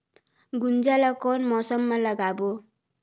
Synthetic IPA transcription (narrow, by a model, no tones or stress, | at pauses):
ɡund͡zalakɔnmʌsʌmːalʌɡabo